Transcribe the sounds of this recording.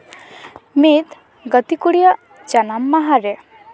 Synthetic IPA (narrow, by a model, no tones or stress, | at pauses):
mit̪ | ɡʌt̪ikuɽijɔ | d͡ʒanamːaɦaɾe